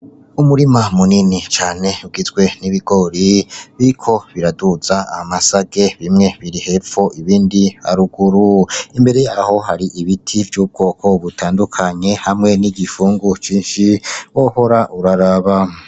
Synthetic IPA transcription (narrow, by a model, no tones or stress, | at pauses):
umuɾimamuninit͡ʃaːne̞uɡizɡwe̞niβiɡo̞ɾiβiɾkʰo̞βiɾaduz̥aa̰hamasaɡe̞βimŋe̞βiɾihe̞foʔiβiːndiha̰ɾuɡuɾuimbe̞ɾe̞jaho̞ɦaɾiʔiβitʰivjuːb̚ɡo̞ːkʰo̞βutʰaːndukʰaɲe̞hamŋe̞niɡifuːŋɡut͡ʃiːnʃiwoho̞ɾaʔuɾaɾaβa